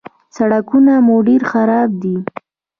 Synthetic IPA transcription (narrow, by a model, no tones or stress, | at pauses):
saɽakunamoɖeɾxaɾɑb̚d̪i